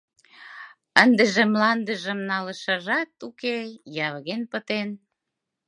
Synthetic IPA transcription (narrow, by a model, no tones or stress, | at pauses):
ənd̪eʒemlɑnd̪əʒə̆mnɑləʃəʒɑt̪ukejɑβəɣenpət̪en